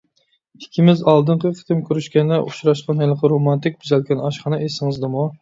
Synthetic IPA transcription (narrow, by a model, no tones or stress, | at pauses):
i̥kʲʰːimɪzɑlˠd̪ɨɴqʰəqʰə̥t̪ɪmkʲøɾyʃkʲɛnd̪ɛʔuʃɾɑʃqɑnɦɛlqʰəɾomɑnt̪ɪk̚ʲbyzɛlkʲɛnɑʃχɑnɨʔesɪŋɨzd̪ɨmu